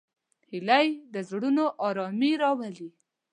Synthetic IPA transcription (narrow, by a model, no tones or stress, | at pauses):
hilajd̪əzɽunoʔɑɾɑmiɾɑwali